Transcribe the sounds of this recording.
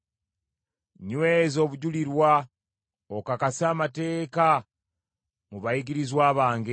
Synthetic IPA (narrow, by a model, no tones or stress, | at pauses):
ɲwezo̞ːβuɟuliɾwa | okakasiaːmate̞ːka | muβajiɡiɾizwaːβaːŋɡe